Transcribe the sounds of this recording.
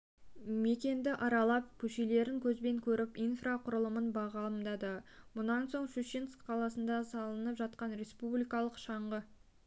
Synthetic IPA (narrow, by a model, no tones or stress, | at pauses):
me̞kʲe̞nd̪ɪʔɑɾɑlˠɑp̚kʲʰɵʃele̞ɾɪŋkʲʰɵzbe̞ŋkʲʰɵɾɪpijnfraqʰʊɾəlˠəmənbɑʁɑlˠəmd̪ɑd̪əmʊnɑnso̞ɴʃuʃinskqʰɑlˠɑsənd̪ɑsɑlˠənəpʒɑt̪qɑnɾe̞spublʲijkɑlˠəqʃɑɴʁə